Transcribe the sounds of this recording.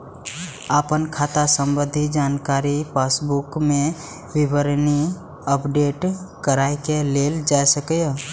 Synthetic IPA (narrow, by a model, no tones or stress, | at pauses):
aːpənkʰaːt̪asə̃mbə̃d̪ʱid͡ʒaːnkaːɾipaːsbukmẽ | ʋɪbəɾni | əpɖeːʈkəɾaekeleːld͡ʒajsəkj